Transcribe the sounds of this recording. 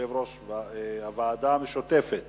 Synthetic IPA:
evɾoʃveavaːd̪amʃot̪efet̪

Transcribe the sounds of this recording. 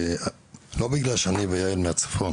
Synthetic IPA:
lobiɡlalʃeanivajailmeat͡sḁfon

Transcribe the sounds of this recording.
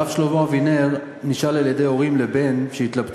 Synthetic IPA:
afʃlovovineʁ | niʃalaljede̞jo̞ʁimle̞be̞nʃeit̪labt

